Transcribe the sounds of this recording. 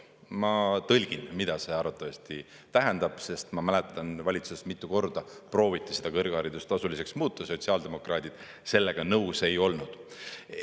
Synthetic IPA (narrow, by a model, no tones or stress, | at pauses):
mɑt̪ɤlʲɡ̥inmid̪̥ɑse̞ɑɾvɑt̪ːˑɑvɑsʲt̪i | t̪æɦɛnd̪̥ɑb̥se̞st̪mɑmælet̪ːˑɑnvɑlʲit̪susemit̪ˑːuko̞rd̪̥ɑpro̞ːvit̪ːˑise̞d̪̥ɑkɤrɡ̥ɑɾid̪̥ust̪ɑsulis̬e̞ksmuːt̪ːˑɑso̞t̪ʲsiɑːld̪̥e̞mo̞krɑːd̪̥id̪̥ | se̞lːe̞ɡ̥ɑnɤwse̞jo̞lnud̪̥